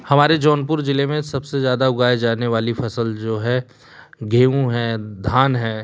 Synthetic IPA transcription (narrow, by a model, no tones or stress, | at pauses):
hɐmaːɾed͡ʒɔːnpʊɾd͡ʒɪlemẽsɐbsezjaːd̪aʊɡaːed͡ʒaːneʋaːlifʰɐsəld͡ʒoːɦɛː | ɡʱeːũɦɛːd̪ʱaːnɦɛː